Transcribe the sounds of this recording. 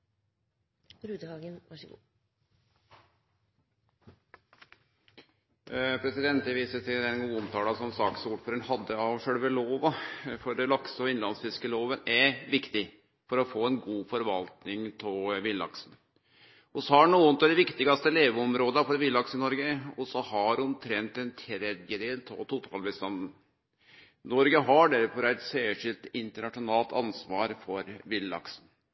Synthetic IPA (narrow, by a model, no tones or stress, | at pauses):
ɾʉːd̪əhɑːɡənʋɑʂɡuː | pʰɾɛsɪd̪ɛnt̪ɛʋiːsəsɪd̪ɛnɡuːʊmt̪ʰɑːlɑsɔmsɑːksuːlfɔɾɪnhɑd̪ːəɑʋʂøːɽʋəloːʋɑfɔɾd̪ɛlɑksəɔɪnlɑnsfɪskəloːʋənɛɾʋɪkt̪ɪ | fɔɾɔfoːɛnɡuːfɔɾʋɑlt̪nɪŋt̪ʰɪlʋɪlːɑ̰ksn̩ | ɔsɔhɑɳuːənt̪ɔd̪ɛʋɪkt̪ɪɡɑst̪əleːʋɔmɾoːd̪ɑfɔɖɛʋɪlɑksəɪnɔɾɡəɔsɔhɑɾɔmt̪ʰɾɛnt̪ɛnt̪ʰɾɛd̪jəd̪eːlt̪ʰɔt̪ut̪ʰɑːlbəst̪ɑnd̪n | nɔɾɡəɦɑɖæɾfɔɾæɪt̪sæːʂɪlt̪ɪnt̪əɳɑʂʊnɑːlt̪ɑnsʋɑːɾfɔɾʋɪlːɑ̰ksn